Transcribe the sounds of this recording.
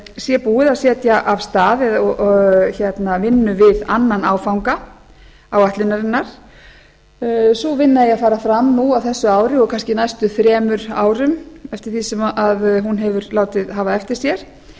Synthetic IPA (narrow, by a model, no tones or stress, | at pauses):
sjɛpuːɪðasjɛːt̪jaʔavst̪aːðɛɔçɛt̪navɪnːʏvɪðanːanaːwfawŋka | awaht̪lɪnːaɾɪnːaɾ̥ | sɔvɪnːaðɪɛafaːɾafɾamnuawθɛsːʏaːwɾɪɔɣkʰanscɪnajst̪ʏθɾɛːmʏɾaːwɾʏmɛft̪ɪɾ̥θisɛmʔaðɦunɦɛvʏɾlaːwt̪ɪðɦaːvaɛft̪ɪɾ̥sjɛɾ̥